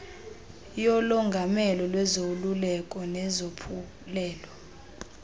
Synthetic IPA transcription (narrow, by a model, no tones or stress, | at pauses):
jɔlɔŋɡʱamɛlɔlwɛzolulɛkʼɔnɛzopʰu | lɛːlɔ